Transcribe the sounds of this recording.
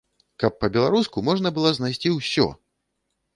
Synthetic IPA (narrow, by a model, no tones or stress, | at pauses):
kɐpːɐbʲɛlˠaɾuskumɔʐnɐbɨlˠɔznajsʲt͡sʲiwsʲɔ̰